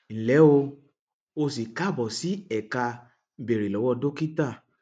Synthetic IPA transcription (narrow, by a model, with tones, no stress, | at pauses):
ñ̩˨lɛ˨˦o˧ | o˧si˨ka˦˨bɔ˨si˨˦ɛ˦˨ka˧ | be˨ɾe˨lɔ˨˦wɔ˧do˦ki˦ta˦˨